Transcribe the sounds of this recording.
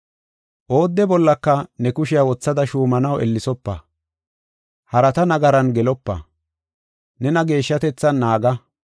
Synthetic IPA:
ʔo̞ːd̪ːɛbɔlːɐkːɐnɛkʊʃɪjawɔt͡sːɐd̪ɐʃuːmɐnɐwɛ̰lːɪsɔpːɐ̰ | hɐɾɐt̪ɐnɐɡɐɾɐnɡɛlɔpːɐ̰ | nɛnɐɡe̞ːʃːɐt̪ɛt͡sːɐnːaːɡɐ

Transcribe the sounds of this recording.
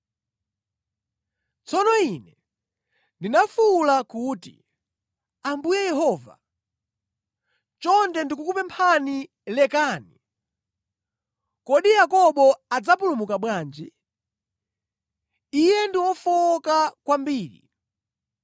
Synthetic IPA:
t͡sɔnɔinɛ | ndinafulakuːtḭ | ambujɛjɛɦɔːva̰ | t͡ʃɔndɛndikukupɛmpʰani | lɛkaːni | kɔɗijakɔɓɔad͡zapulumukaɓwaːnd͡ʒi | ijɛndiwɔfɔkakwambiːɾḭ

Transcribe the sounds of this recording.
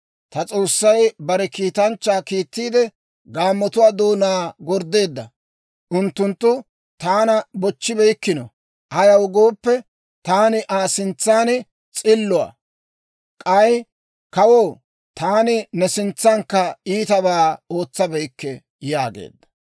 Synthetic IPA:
t̪ɐt͡sʼo̞ːsːɐjbɐɾɛkiːt̪ɐnt͡ʃːaːkiːt̪ːiːd̪ɛ | ɡaːmːɔt̪ʊwaːd̪oːnaːɡɔɾd̪e̞ːd̪ːɐ̰ | ʔʊnt̪ːʊnt̪ːʊ | t̪aːnɐbɔt͡ʃːɪbɛjkːɪnɔ̰ | ʔɐjɐwɡo̞ːpːɛ | t̪aːnɪʔaːsɪnt͡sːaːn | t͡sʼɪlːʊa̰ː | kʼɐj | kɐwoː | t̪aːnɪnɛsɪnt͡sːɐŋkːɐiːt̪ɐbaːo̞ːt͡sːɐbɛjkːɛ | jaːɡḛːd̪ːɐ̥

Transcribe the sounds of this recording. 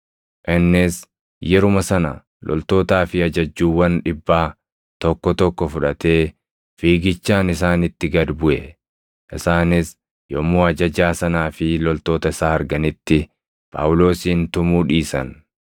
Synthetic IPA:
ʔɪnːɪs | jɛɾʊmɐsɐnɐ̰ | lʔɔ̰lt̪o̞ːt̪aːfɪɐd͡ʒɐd͡ʒːuːwɐnᶑɪbːaː | t̪ɔkːɔt̪ɔkːɔfʊᶑɐt̪e̞ː | fiːɡɪt͡ʃːaːnɪsaːnɪt̪ːɪɡɐd̪bʊʔɛ | ʔɪsaːnɪs | jɔmoːɐd͡ʒɐd͡ʒaːsɐnaːfɪlɔlt̪o̞ːt̪ɐɪsaːɐɾɡɐnɪt̪ːɪ | pʼa̰ːwʊlo̞ːsiːnt̪ʊmuːᶑiːsɐ̰n

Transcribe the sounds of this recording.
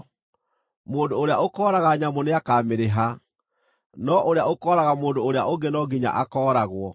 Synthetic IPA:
moːndoːɾeaokɔːɾaɣaɲamoneakaːmeɾeɦa | nɔʔoɾeaokɔːɾaɣamoːndoːɾea̰ʔoɡenɔɡiɲa̰ʔakɔːɾaɣwɔ

